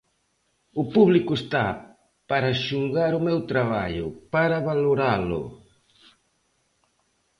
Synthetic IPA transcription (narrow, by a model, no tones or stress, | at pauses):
ʊpuβlikʊest̪a | paɾaʃuŋɣaɾʊmɛwt̪ɾaβa̰ʎʊpaɾaβaloɾalʊ̰